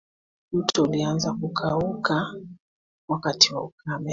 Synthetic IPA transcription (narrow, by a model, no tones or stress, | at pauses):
m̩tʰɔulianzakukʰauka | wakatiwaukamɛ